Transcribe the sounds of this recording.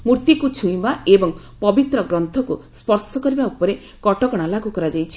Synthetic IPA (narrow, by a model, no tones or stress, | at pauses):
muɾt̪ikut͡ʃʰũĩmaebɔŋ | pɔbit̪ɾɔɡɾɔnt̪ʰɔkuspɔɾsɔkɔɾibaupɔɾe | kɔʈɔkɔɽ̃alaɡukɔɾad͡ʒajt͡ʃʰi̥